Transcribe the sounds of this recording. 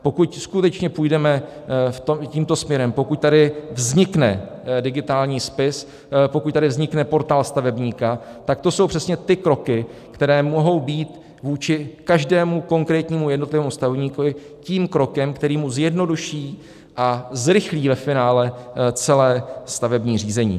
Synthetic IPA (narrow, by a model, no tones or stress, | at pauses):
po̞kucskut̪ɛt͡ʃɲɛpujdɛmɛ | ft̪omciːmt̪o̞smɲɛɾɛmpo̞kuc̚t̪adɪvzɲɪknɛ̰ | dɪɡɪt̪aːlɲiːspɪs | pokuc̚t̪adɪvzɲɪknɛpo̞ɾt̪aːlst̪avɛbɲiːkat̪ak̚t̪o̞so̞wpr̝̥ɛsɲɛt̪ɪkɾo̞kɪkt̪ɛɾɛːmoɦo̞wbiːt̪ | vuːt͡ʃɪkaʒdɛːmuko̞ŋkɾɛːt̪ɲiːmujɛdno̞t̪lɪvɛːmust̪avɛvɲiːkovɪ | ciːmkɾo̞kɛmkt̪ɛɾiːmuzjɛdno̞duʃiː | ʔazɾɪxliːvɛfɪnaːlɛt͡sɛlɛːst̪avɛbɲiːr̝iːzɛɲḭː